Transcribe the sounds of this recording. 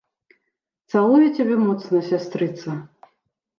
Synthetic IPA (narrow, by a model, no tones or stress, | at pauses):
t̪salˠujɛt͡sʲabʲɛmɔt̪snɐsʲast̪ɾɨt̪sɐ